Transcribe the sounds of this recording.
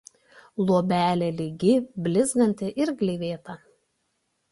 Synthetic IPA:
lˠuɔbʲæːlʲɛlʲɪɡʲɪbʲlʲɪzɡɐnʲt̪ʲɪʔɪɾɡlʲiːʋʲeːt̪ɐ

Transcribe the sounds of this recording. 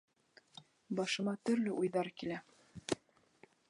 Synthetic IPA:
bɑʃɤ̆mɑt̪ɵ̆ɾlɘʔujðɑɾkilæ

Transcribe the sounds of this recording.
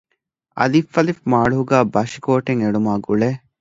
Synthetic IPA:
ɐ̰lifːɐlifmaːɭuɦuɡæːbɐʃikoːʈeŋeɖumaːɡuɭeː

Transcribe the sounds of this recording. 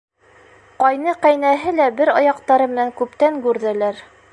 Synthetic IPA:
qɑjnɤqæjnæɦɘlæbɘɾɑjɑqt̪ɑɾɤmɘ̆næŋkʉpt̪æŋɡʉɾðælæɾ

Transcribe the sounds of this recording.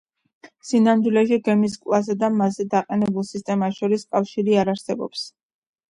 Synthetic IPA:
sinamd̪wilɛʃiɡɛmis̬kʼlˠazad̪amazɛd̪aqʼɛnɛbulˠsist̪ʼɛmaʃɔɾiskʼafʃiɾiaɾaɾsɛbɔ̰ps

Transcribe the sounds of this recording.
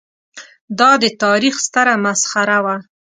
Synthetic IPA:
d̪ɑd̪ət̪ɑɾixst̪aɾamasxaɾawa

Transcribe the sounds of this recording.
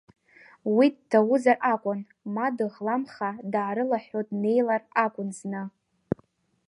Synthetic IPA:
wid̚tʰawʊzarʔakʷʼʊn | madɨʁlamχadʕːɾɨlaħʲᶣotʼne̞jlarakʷʼʊnznɨ

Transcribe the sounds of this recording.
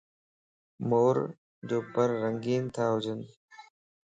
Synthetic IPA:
moːɾ | d͡ʑoːpəɾːəŋɡiːnt̪ʰaːɦʊd͡ʒən

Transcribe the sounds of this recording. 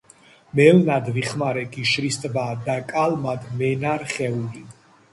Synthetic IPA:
mɛlnad̪viχmaɾɛɡiʃɾist̪ʼbaːd̪akʼalmad̪mɛnaɾχɛuli

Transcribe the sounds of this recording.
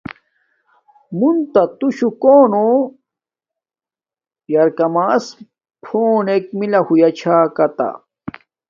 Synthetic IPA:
munt̪at̪uɕukoːno | jɐɾkɐmaːs | pʰoːnek̚milahujat͡ɕʰaːkɐt̪a̰

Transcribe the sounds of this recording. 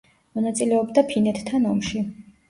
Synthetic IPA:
mɔnat̪sʼilɛɔbd̪apʰinɛt̪ːʰanɔmʃi

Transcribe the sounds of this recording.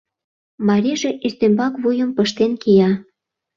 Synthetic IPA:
mɑɾʲiʒeʔyst̪embɑkβujə̆mpəʃt̪enkijɑ

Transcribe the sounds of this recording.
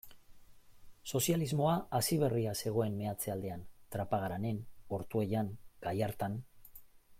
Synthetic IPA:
so̞sializmo̞aːsiβ̞e̞riase̞ɣ̞o̞e̞mme̞at͡se̞ald̪e̞ant̪ɾapaɣaɾane̞no̞ɾt̪ue̞jaŋɡ̥ajaɾt̪an

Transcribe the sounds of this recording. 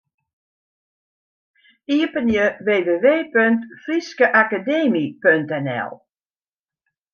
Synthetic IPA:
iəpənjəʋeːʋeːʋeːpøŋtfriskəʔakadeːmipøntɛnɛ̰lˠ

